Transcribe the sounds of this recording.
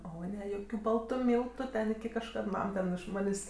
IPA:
ˈoː ˈnʲɛ ˈjoːkʲʊ ˈbɐlˠtʊ ˈmʲiːlˠtʊ ˈtʲɛn kɐʃˈkɐt ˈmɐm tʲɛn ɪʃ ˈmɑːnʲeːsʲ

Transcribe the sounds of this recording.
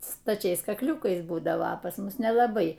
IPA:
stɐˈt͡ʃʲɛɪs kɐkˈlʲuːkɐɪs ˈbuːdɐʋoː ɐ pɐs ˈmʊs nʲɛlˠɐˈbɐɪ

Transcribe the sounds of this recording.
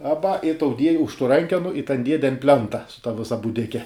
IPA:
ˈɑːbɐ ɪ tɐʊ dʲiɛjɪ ʊʃ tuː ˈrɐŋʲkʲɛnʊ ɪ tɐn ˈdʲiɛdʲɛ ɐn ˈpʲlʲɛntɐ sʊ tɐ ˈʋʲɪsɐ buːˈdʲɪkʲɛ

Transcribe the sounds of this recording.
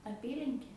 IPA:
ɐˈpʲiːlʲɪŋʲkʲeː

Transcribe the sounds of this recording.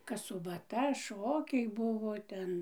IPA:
kɐs sʊbɐˈtɐ ˈʃoːkʲɛɪ ˈbʊʋoː ˈtʲɛn

